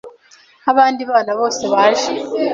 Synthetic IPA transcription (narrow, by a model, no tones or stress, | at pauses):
aβaːndiβaːnaβo̞ːse̞βaːʒe